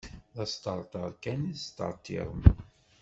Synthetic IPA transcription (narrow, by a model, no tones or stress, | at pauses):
ðɑst̪əɾˤt̪ˤəɾˤkænist̪ə̰ɾˤt̪ˤḭɾˤəm